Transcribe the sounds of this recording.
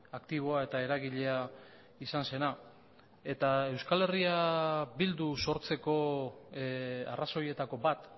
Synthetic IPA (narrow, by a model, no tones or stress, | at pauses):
akt̪iβ̞o̞ae̞t̪ae̞ɾaɣiʎe̞a | isanse̞na | e̞t̪ae̞wskale̞riabild̪uso̞ɾt͡se̞ko̞ | a̰raso̞je̞t̪ako̞bat̪